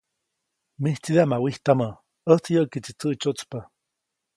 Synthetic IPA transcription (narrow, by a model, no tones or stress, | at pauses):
miht͡sid̪eamawiht̪amə | əht͡sjəʔkit͡sit͡səʔt͡ʃot͡spa